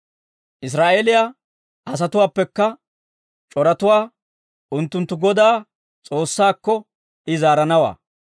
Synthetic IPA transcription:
ʔɪs̬ɾaːʔeːlɪja | ʔɐs̬ɐt̪ʊwaːpːɛkːɐ | t͡ʃʼɔɾɐt̪ʊwaː | ʔʊnt̪ːʊnt̪ːʊɡɔd̪aː | t͡sʼo̞ːsːaːkːɔ | ʔɪzaːɾɐnɐwa̰ː

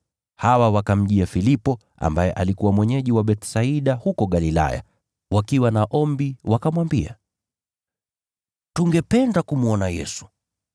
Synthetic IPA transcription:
hawawakam̩ʄiafilipɔ | ʔa̰mbajɛʔalikuwamwɛɲɛʄiwaɓɛtsaiɗahukɔɡalila̰ja̰ | wakiwanaʔɔmbiwakamwambia̰ | tuŋɡɛpɛndakumuɔnajɛ̰su̥

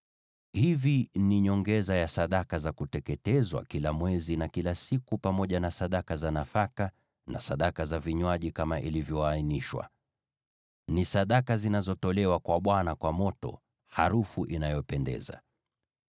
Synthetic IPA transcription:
hiviniɲɔŋɡɛzajasaɗakazakutɛkɛtɛzwa̰kilamwɛzinakilasikupamɔʄanasaɗakazanafaka | na̰saɗakazaviɲwaʄikamaʔilivjɔainiʃwa̰ | nisaɗakazinazɔtɔlɛwakwaɓwanakwamɔtɔ̰ | haɾufuʔinajɔpɛndɛ̰za̰

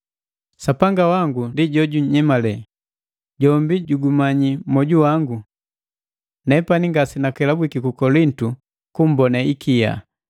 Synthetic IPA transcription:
sapaŋɡawaŋɡundiɟɔɟuɲɲɛmalɛ | ɟɔmbiɟuɡumaɲimɔɟuwaŋɡu | nɛpaniŋɡasinakɛlabwikikukɔlintu | kum̩bɔnaikija̰

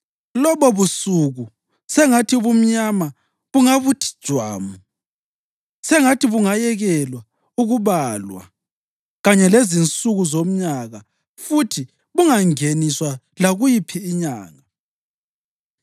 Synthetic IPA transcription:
lɔβɔβusuɣu | sɛŋatʰiuβum̩ɲama | βuŋaβutʰi̥d̥ʒ̥ʱwa̰ːmu | sɛŋatʰiβuŋajɛɣɛlwa | uɣuβalwa̰ | ɣaɲɛlezint͡sʼuɣuzom̩ɲaɣa | futʰi | βuŋaŋeniswa | laɣujipʰiːɲa̰ːŋa

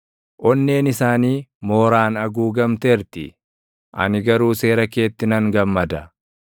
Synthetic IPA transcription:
ʔɔnːe̞ːnɪsaːniːmo̞ːɾaːnɐɡuːɡɐmt̪eːɾt̪ɪ | ʔɐ̰nɪɡɐɾuːse̞ːɾɐke̞ːt̪ːɪnɐŋɡɐmːɐd̪ɐ

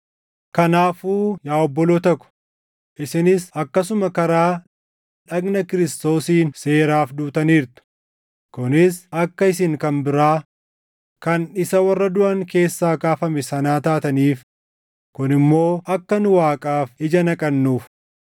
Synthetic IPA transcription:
kɐnaːfuːjaːɔbːɔloːt̪ɐkːʊ̥ | ʔɪsɪnɪsɐkːɐs̬ʊmɐkɐɾaː | ᶑɐɡnɐkɪɾɪst̪o̞ːsiːnse̞ːɾaːfd̪uːt̪ɐniːɾt̪ʊ̥ | kʊnɪsɐkːɐɪsɪŋkɐnbɪɾaː | kɐnɪsɐwɐrːɐd̪ʊʔɐŋke̞ːsːaːkaːfɐmɛsɐnaːt̪aːt̪ɐniːf | kʊnɪmːo̞ːʔɐkːɐnʊwaːkʼaːfɪd͡ʒɐnɐkʼɐnːuːf

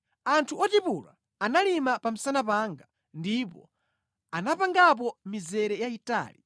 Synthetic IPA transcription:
antʰuɔtipula̰ | analimapam̩sanapaːŋɡa | ndip̬ɔ̰ | anapaŋɡap̬ɔmizɛɾɛjaita̰ːlḭ

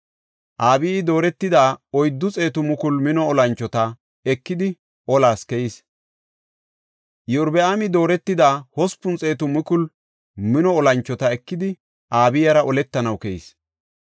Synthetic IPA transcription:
ʔaːbɪjːd̪o̞ːɾɛt̪ːɪd̪aːɔjd̪ːʊt͡sʼe̞ːt̪ʊmʊkʊlmɪnɔɔlɐnt͡ʃːɔt̪ɐ | ɛkːɪd̪ɪ | ʔɔlaːskɛjis | jɔʊɾbɛamɪd̪o̞ːɾɛt̪ːɪd̪aːhɔspʊnt͡sʼe̞ːt̪ʊmʊkʊl | mɪnɔɔlɐnt͡ʃːɔt̪ɐɛkːɪd̪ɪ | ʔaːbɪjɐɾɐʔɔlɛt̪ːɐnɐwkɛjḭs

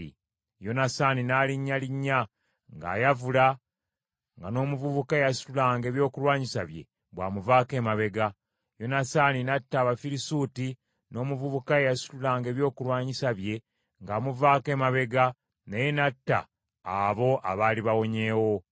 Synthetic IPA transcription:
ḭ | jo̞nasaːninaliɲːaliɲːa | ŋɡa̰ːjavula | ŋɡano̞ːmuvuβukae̞jasu̥lulaːŋɡe̞ːβjo̞ːkulwaːɲisaβje̞̰ | bwaːmuvaːke̞ːmaβe̞ɡa | jo̞nasaninatːaːβafiɾisuːti | no̞ːmuvuβukaejasu̥lulaːŋɡe̞ːβjo̞ːkulwaːɲisaβje̞ | ŋɡaːmuvaːke̞ːmaβe̞ɡa | nejenatːa̰ː | βo̞ʔa̰βaːliβawo̞ɲe̞ːwo̞

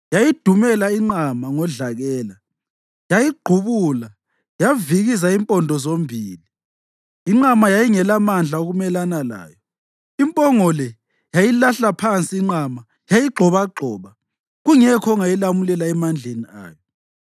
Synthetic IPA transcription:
jajid̥ʱumɛlaiŋ͡ǃamaŋɔɮaɣɛːla | jajiɡ͡ǃʱuβuːla | javiɣisaimpʼɔndʱɔzombʱiːliː | ŋ͡ǁamajajiŋɛlamand͡ɮʱaoɣumɛlanala̰ːjɔ | impʼɔŋɔlɛ | jajilaɬapʰant͡sʼiːŋ͡ǀama | jajiɡ͡ǃʱɔβaɡ͡ǃʱɔːβa | ɣuŋɛkʰɔŋajilamulɛlaɛmand͡ɮʱenia̰ːjɔ

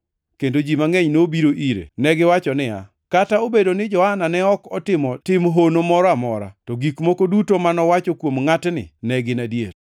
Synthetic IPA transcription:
kendod͡ʒimaŋɛɲnobiɾoʔiɾḛnɛɡɪwat͡ʃɔnɪa̰ | kataobedonɪd͡ʒɔhananɛɔkɔtɪmɔtɪmɦonomɔɾɔamɔɾa̰tɔɡikmokodutomanɔwat͡ʃokwomŋatnɪ̰nɛɡɪnadjḛɾ

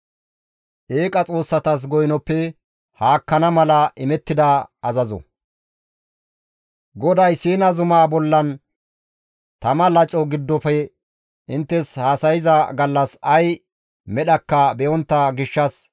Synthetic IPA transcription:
ʔeːkʼɐt͡sʼo̞ːsːɐt̪ɐs̬ɡɔjnɔpːɛ | haːkːɐnɐmɐlɐʔɪmɛt̪ːɪd̪ɐɐzɐzɔ̰ | ɡɔd̪ɐjsiːnɐzʊmaːbɔlːɐn | t̪ɐmɐlɐt͡ʃʼɔɡɪd̪ːɔfɛ | ɪnt̪ːɛshaːsɐjɪzɐɡɐlːɐsɐj | mɛɗɐkːɐbɛjɔnt̪ːɐɡɪʃːɐs

